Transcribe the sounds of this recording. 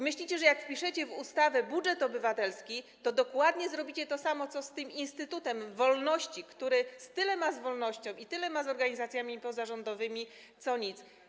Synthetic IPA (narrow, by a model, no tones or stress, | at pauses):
mɘɕlʲit͡ɕɛʐɛjakfpʲiʂɘt͡ɕɛvust̪avɛbudʐɛt̪ɔbɘvat̪ɛlskʲit̪ɔd̪ɔkwad̪ɲɛzɾɔbʲit͡ɕɛt̪ɔsamɔt̪sɔst̪ɘminst̪ɘt̪ut̪ɛmvɔlnɔɕt͡ɕikt̪uɾɘst̪ɘlɛmazvɔlnɔɕt͡ɕɔ̃w̃it̪ɘlɛmazɔɾɡaɲizat̪sʲjamʲipɔzaʐɔnd̪ɔvɘmʲi | t̪sɔɲit̪s